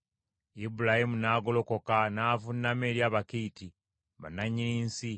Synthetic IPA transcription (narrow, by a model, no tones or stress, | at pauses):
ibulahimunaːɡo̞lo̞ko̞kanaːvunːameːɾjaːβakiːti | βa̰naɲːiniːnsi